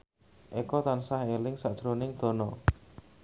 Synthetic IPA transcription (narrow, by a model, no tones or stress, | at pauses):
ʔekɔt̪ansahelɪŋsaʔd̥ʒ̥ɾonɪŋd̪̥o̤nɔ